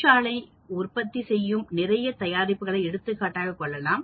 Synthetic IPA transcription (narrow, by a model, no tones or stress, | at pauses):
aːɭɐɪ | ʊrpɐt̪ːisɛjːɯmnɪrɐjɐt̪ɐjaːɾɪpːɯɣɐɭɐɪɛɽɯt̪ːɯkːaːʈːaːɣɐkɔɭːɐlaːm